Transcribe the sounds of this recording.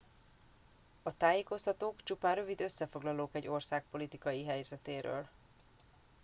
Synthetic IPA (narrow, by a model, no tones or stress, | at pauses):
ɒt̪aːjeːko̞st̪ɒt̪oːkt͡ʃupaːnrøvid̪ø̞sːɛfo̞ɡlɒloːkɛɟːo̞rsaːk̚po̞lit̪ikɒjiɦɛjzɛt̪eːɾø̰ːl